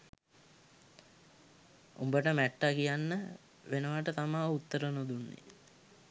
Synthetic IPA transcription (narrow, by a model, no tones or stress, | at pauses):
ṵmbəʈəmæʈːakijanːə | ʋenəʋaʈət̪amaːut̪ːəɾənod̪unːḛ